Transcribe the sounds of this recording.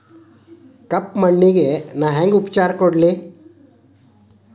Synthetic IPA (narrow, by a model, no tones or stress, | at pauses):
kɐpmɐɳːiɡenaːɦeŋɡupt͡ʃaːɾkɔɽli